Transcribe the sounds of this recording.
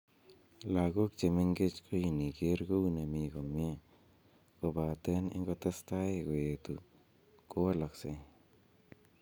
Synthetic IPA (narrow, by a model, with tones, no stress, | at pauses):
la˨ɡu˦k̚t͡ʃe˨mi˦ŋɡe˦t͡ʃkʰo˦ji˧ni˨ɡe˦ɾɡu˦wne˨mi˧ɡo˨mje˧ | ko˧ba˨t̪e˧˦nḛ˦ŋɡo˧t̪a˦st̪a˦jɡo˨je˨t̪u˨ | ko˦a˦la˨kse˧j